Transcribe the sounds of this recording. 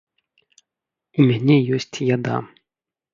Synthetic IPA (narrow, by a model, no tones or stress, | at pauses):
umʲanʲɛjɔsʲt͡sʲjad̪a̰